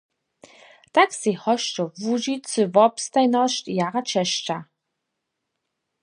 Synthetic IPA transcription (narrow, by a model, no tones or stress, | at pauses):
t̪aksehɔʃt͡ʃɔvuʒit͡sɨvɔpst̪ajnɔʃtijaʁat͡ʃʰɛʃʈ͡ʂa